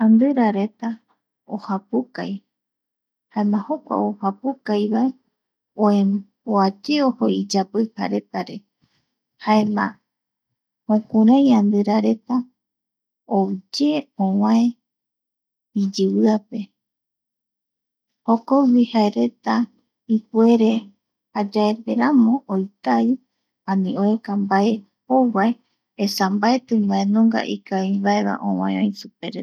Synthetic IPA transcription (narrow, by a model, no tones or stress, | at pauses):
ãnd̪ɨɾaɾe̞t̪a | o̰hapukaj | haemãho̞kʷa̰ohapukajβae̞ | õẽboad͡ʒeoho̞id͡ʒapɨha̰ɾe̞t̪aɾe̞ | haemã̰ | hõkũɾãjand̪ɨɾaɾe̞t̪a | od͡ʒe̞õwãẽ | id͡ʒɨwɨape̞ | hokowihaeɾe̞t̪a | ipwe̞ɾe̞ | had͡ʒaeɾβeɾamõ̞ʔojt̪ai | ãnĩoekambae | owae | esambaet̪ɨ̃mbaẽnõŋɡa̰ʔikaimbaeβa̰ʔõwãẽõjĩsupeɾ